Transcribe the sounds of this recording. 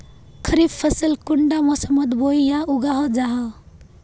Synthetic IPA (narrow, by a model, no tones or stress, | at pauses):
kʰəɾibpʰːəsilkuɳɖamɔsəməd̪boijauɡaɦɔd͡ʒaɦa